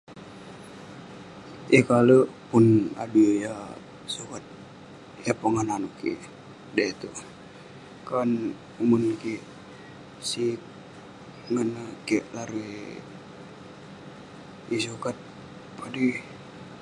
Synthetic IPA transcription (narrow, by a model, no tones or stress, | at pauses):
ʔekalopuna̰duja | sukat̪̚ | japaŋananukḭ | dait̪u | kan | umunki | sik | ŋənakiʔlaɾue | isukat̪̚ | pʰadi